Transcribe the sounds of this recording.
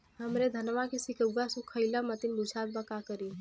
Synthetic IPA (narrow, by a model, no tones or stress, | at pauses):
ɦəmɾed̪ʱənʋakesikəɡasukʰːəɪləmət̪inbut͡ʃʰaːd̪̚bakakəɾi